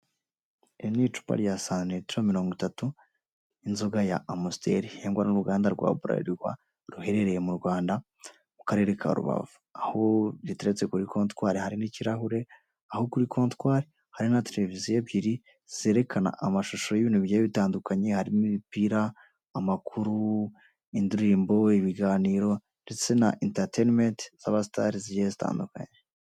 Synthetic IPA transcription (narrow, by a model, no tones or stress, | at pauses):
einit͡ʃu̥pa̰ɾjasanetɾoamiɾo̞ːŋɡitatu | inzoɡajaːmustʰḛɾiheːŋɡwaɾanuɾuɡaːndaɾɡwa̰ːβuɾa̰ɾiɾwa̰ | ɾuhe̞ɾe̞ɾe̞je̞muɾɡwaːnda | mukaɾe̞ːɾekʰa̰ɾṵβa̰vuahoɟiteɾet͡se̞kuɾikʰo̞ːntwaːɾihaɾiniciɾaɦuɾe̞ | ahokuɾikʰo̞ːntwaːɾi | haɾinatʰeleviziebɟiɾi | z̥e̞ːɾe̞kʰana̰ʔamaʃuʃo̞jiβiːnhuβijajiβitaːndukaɲe̞haɾimimipiːɾaː | makʰuɾu | induɾiːmbo̞iβiɡaːniːɾo̞ | nde̞t͡se̞na̰ʔintaɾtenmentz̥aβasitaɾiziɟeezita̰ːnduka̰ɲe